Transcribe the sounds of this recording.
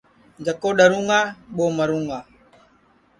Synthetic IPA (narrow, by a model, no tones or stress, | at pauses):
d͡ʒəkoːɗəɾũːŋɡaːɓoːməɾũːŋɡaː